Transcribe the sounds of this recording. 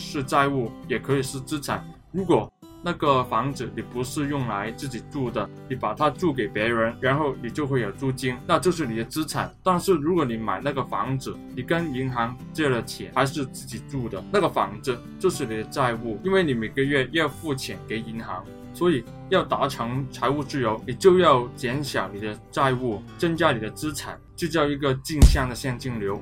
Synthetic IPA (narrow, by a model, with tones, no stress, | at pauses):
ʂɻ̩˥˧t͡sa˥˧ɪu˥˩jɛ˨˩kʰɤ˧˥i˨˩ʂɻ̩˥˩t͡sɹ̩˥ʈ͡ʂʰa˨˩˦ | ɻu˧˥kwɔ˨˩ | na˥˩ɡə˨fɑ˧˥ŋd͡zɹ̩˧˩ni˨˩pu˧˥ʂɻ̩˥˧jʊ˥˩ŋla˧˥ɪt͡sɹ̩˥˩t͡ɕi˨˩ʈ͡ʂu˥˩d̪ə˩ni˧˩pa˨˩t̪ʰa˥ʈ͡ʂu˥˩k̬e˨˩ɪpjɛ˧˥ɻə˧˥nɻa˧˥nxo˥˩ʊni˨˩t͡ɕjo˥˧ʊxwe˥˩ɪjo˨˩ʊʈ͡ʂu˥˩t͡ɕi˥ŋna˥˧t͡ɕjo˥˧ʊʂ̬ɻ̩˥˩ni˨˩d̪ə˦t͡sɹ̩˥ʈ͡ʂʰa˨˩˦ɪt̪wa˥˧nʂɻ̩˥˩ɻu˧˥kwɔ˧˥ni˧˩ma˨˩ɪna˥˩ɡə˩fɑ˧˥ŋd͡zɹ̩˧˩ni˨˩kə˥ni˧˥ŋxɑ˧˥ŋʈ͡ʂɤ˥˩˥də˩t͡ɕʰjɛ̰˨˩xa˧˥ɪʂɻ̩˥˧t͡sɹ̩˥˩t͡ɕi˨˩ʈ͡ʂu˥˩d̪ə˩na˥˩ɡə˩fɑ̰˧˥ŋd͡zɹ̩˧ | t͡ɕjo˥˧ʊʂɻ̩˥˩ni˨˩d̪ə˦t͡sa˥˧ɪu˥˩i˥nwe˥˩ɪni˧˩me˨˩ɪɡə˦ɥɛ˥˩jɑ˥˧ʊfu˥˩t͡ɕʰjɛ˨˩nke˧˥ɪi˧˥ŋxɑ˧˥ŋ | swɔ˧˥i˨˩ | jɑ˥˩ʊt̪a˧˥ʈ͡ʂʰɤ˧˥ŋt͡sʰa˧˥ɪu˥˧ʈ͡ʂɻ̩˥˩jo˧˥ʊni˨˩t͡ɕjo˥˧ʊjɑ˥˩ʊt͡ɕjɛ˧˥nɕjɑ˨˩˦ʊni˨˩d̪ə˦t͡sa˥˧ɪu˥˩t͡sɤ˥ŋt͡ɕja˥ni˨˩d̪ə˦t͡sɹ̩˥ʈ͡ʂʰa˨˩˦nt͡ɕjo˥˧ʊt͡ɕjɑ˥˩ʊi˧˥ɡə˧t͡ɕi˥˧ŋɕjɑ˥˩ŋd̪ə˩ɕjɛ˥˧ŋt͡ɕi˥˩ŋljo˧˥ʊ